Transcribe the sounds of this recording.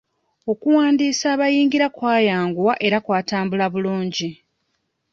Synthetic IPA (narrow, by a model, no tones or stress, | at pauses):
o̞kuwaːndiːsaːβajiːŋɡiɾakwaːjaːŋɡuwaʔe̞ɾakwaːtaːmbulaβuluːɲɟi